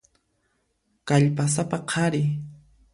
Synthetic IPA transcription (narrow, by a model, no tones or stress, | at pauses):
kaʎpas̬apaqʰɑɾɪ